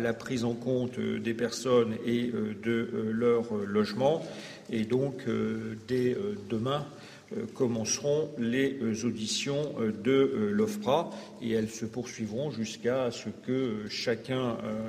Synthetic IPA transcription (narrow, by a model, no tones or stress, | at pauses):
lapχizɑ̃kɔ̃t̪d̪epɛʁsɔneød̪əlœʁlɔʒmɑ̃ | ed̪ɔ̃kød̪ɛød̪əmɛ̰̃ | kɔmɑ̃sʁɔ̃lezod̪isjɔ̃d̪əlɔfpχa | eɛlsəpuʁsɥivʁɔ̃ʒyskasəkəøʃakʲɛ̃ø̰